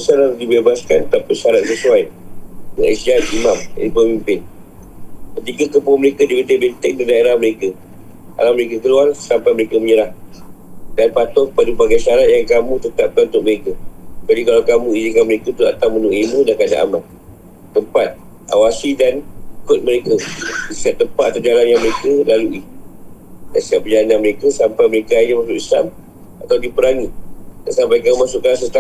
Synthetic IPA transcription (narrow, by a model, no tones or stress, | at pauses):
əsanaɾdibebaskant̪apəsaɾat̪̚səsuajəŋaʔisiat̪̚imama̰nipəmimpɪn | kət̪ikakəpʊməɾekadibət̪əbənt̪ɪk̚dadaeɾahməɾeka | a̰laməɾekakəluarsampajməɾekaməɲəɾah | danpat̪ɔkəpadubaɡajʃaɾat̪̚jaŋkamũt̪ət̪ap̚kanunt̪ʊk̚məɾekad͡ʒadikalawkamũizikanməɾekət̪ua̰t̪awmənuʔimũdakada̰ʔa̰mat̪ | t̪əmpat̪̚ | a̰wasidankʊt̪̚məɾekəisiɦat̚t̪ːəmpat̪̚ːat̪awd͡ʒalanjaŋməɾekəlaluʔi | dansiɦaʔ̚bəd͡ʒalananməɾekəsampajməɾekaɲamasʊʔisla̰m | at̪awdipəɾaŋit̪̚dansampajkamũmasʊʔkansət̪a